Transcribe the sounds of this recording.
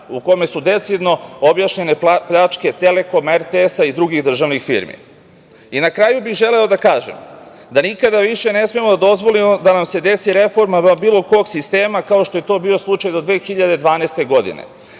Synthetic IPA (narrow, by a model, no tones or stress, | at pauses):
uko̞me̞sud̪e̞t̪sid̪no̞objaʃɲe̞ne̞pʎat͡ʃke̞t̪e̞le̞ko̞meɾt̪eesaid̪ɾuɡiɣd̪r̩ʒaʋnixfḭɾmḭ | inakɾaːjubiɣʒe̞le̞o̞d̪akaːʒḛm | d̪anikad̪aʋiʃe̞ne̞smijemo̞d̪ad̪o̞zʋo̞limo̞d̪anamse̞d̪e̞siɾe̞fo̞ɾmabiːlˠo̞ko̞ːɡsist̪e̞ːmakao̞ʃt̪oje̞t̪o̞ːbiːo̞slˠut͡ʃajd̪od̪ʋeːxiʎad̪e̞d̪ʋaːnest̪e̞ɡo̞d̪ḭnḛ